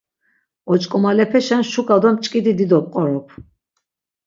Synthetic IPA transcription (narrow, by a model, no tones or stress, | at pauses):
ɔt͡ʃʼkʼɔmalɛpʰɛʃanʃukʼad̪ɔmt͡ʃʼkʼid̪id̪id̪ɔp̚ʼqʼɔɾɔpʰ